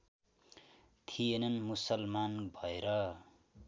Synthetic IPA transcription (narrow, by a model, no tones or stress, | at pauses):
t̪ʰijenʌnmusʌlmanbʱʌeɾʌ